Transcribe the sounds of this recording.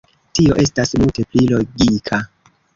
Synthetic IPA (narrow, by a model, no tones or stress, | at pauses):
tio̞ʔe̞stasmulte̞plilo̞ɡikʰa